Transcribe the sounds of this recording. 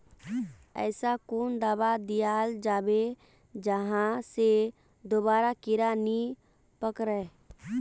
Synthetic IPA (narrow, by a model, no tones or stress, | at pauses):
ɛ̰ːsakoːnd̪aːbad̪ijaːld͡ʒaːbe | d͡ʒəɦãse | d̪obaːɾakɪɾaːni | pəkɾɛ